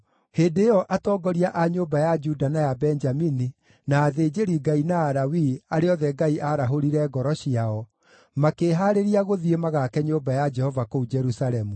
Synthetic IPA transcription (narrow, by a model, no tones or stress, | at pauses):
heːdejɔʔatɔɡɔɾiaʔaɲoːbajad͡ʒudanajabɛɲd͡ʒamini | naːðeːd͡ʒeɾiɡainaːɾawiaɾeɔðɛɡaiʔaɾaɦoɾiɾɛɡɔɾɔɕiaɔ | makeːɦaɾeɾiaɣoðiemaɣakɛɲoːbajad͡ʒɛhɔvakoud͡ʒɛɾusaɾɛmu